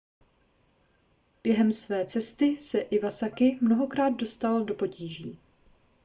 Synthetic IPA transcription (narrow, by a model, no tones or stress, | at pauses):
b̥jɛɦɛmsvɛːt͡sɛst̪ɪsɛʔɪvasakɪmno̞ɦo̞kɾaːd̪̚do̞st̪aldo̞po̞ciːʒiː